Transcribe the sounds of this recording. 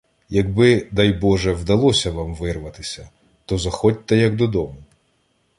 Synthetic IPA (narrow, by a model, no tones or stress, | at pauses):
jɐɡbɪd̪ɐjbɔʒɛwd̪ɐlˠɔsʲɐʋamʋɪrʋɐt̪ɪsʲɐ | t̪ɔzɐxɔtʲt̪ːɐjɐɡd̪ɔd̪ɔmʊ